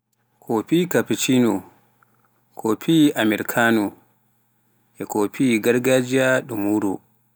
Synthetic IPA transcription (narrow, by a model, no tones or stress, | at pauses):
kʰɔpikapit͡ʃinu | kʰɔpʰiʔamɛɾkʰanu | ʔɛkɔpʰiɡaɾɡad͡ʒiaɗumuɾu